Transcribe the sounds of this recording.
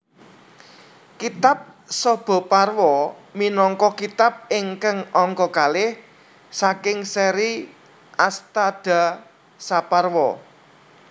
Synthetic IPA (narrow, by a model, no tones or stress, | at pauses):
kit̪ap̚sɔb̥ɔ̤parwɔminɔŋkɔkit̪ap̚ɪŋkəŋɔŋkɔkalɪh | sakɪŋsɛɾi | ast̪ad̥a̤ | saparwɔ